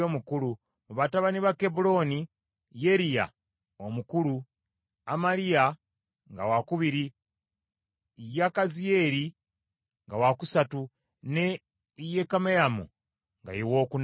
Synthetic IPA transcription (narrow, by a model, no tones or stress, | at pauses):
omukulu | muβataβaniβake̞bulo̞ni | je̞ɾija̰ | omukulu | amalija | ŋɡawakuβiɾi | jakazie̞ɾi | ŋɡawakusatu | ne | jekamejamṵ | ŋɡa̰jewo̞ːkun